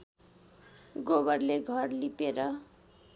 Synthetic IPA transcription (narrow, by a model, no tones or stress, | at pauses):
ɡobʌrleɡʱʌrlipeɾʌ